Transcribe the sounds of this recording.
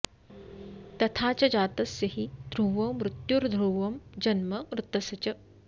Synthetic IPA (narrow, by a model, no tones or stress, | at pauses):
t̪ɐt̪ʰaːt͡ʃɐd͡ʒaːt̪ɐsjɐɦid̪ɾuːʋɐmːɾut̪juɾd̪ʱɾuːʋɐmd͡ʒɐnmɐmɾut̪ɐsɐt͡ʃɐ